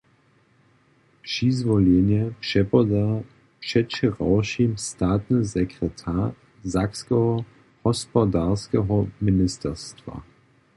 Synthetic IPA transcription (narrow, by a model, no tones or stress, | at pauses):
pʃizvɔlenjɛpʃɛpɔda | pʂɛtt͡ʃɛʁawʃimstaːt̪nɨzɛkʁɛtʰa | zakskɛɦɔ | hɔspɔdaːʁskɛɦɔmɪnɪstɛʁstva̰